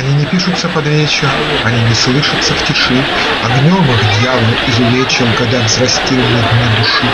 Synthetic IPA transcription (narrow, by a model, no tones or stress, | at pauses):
ɐnʲinʲɪpʲiʂʊt̪sːəpɐd̪ɾʲet͡ɕɪx | ɐnʲinʲɪslˠɨʂət̪səftʲɪʂɨ | ɐɡnʲomɨɣd̪ʲjavəlizʊlʲet͡ɕɪmɡɐɡd̪avzrɐsʲtʲilʲɪnɐd̪ʲnʲid̪ʊʂɨ